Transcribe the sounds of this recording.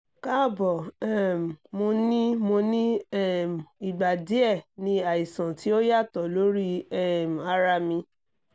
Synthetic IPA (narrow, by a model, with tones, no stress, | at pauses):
ka˦˨bɔ˨ɛ˦˨m˨mo˧nĩ˦mo˧nĩ˦ɛ˦˨m˨i˨ɡ͡ba˨di˨˦ɛ˦˨nĩ˧a˨i˨sã˨ti˦o˦ja˦˨tɔ˨lo˦ɾi˦ɛ˦m˨a˧ɾa˧mĩ˧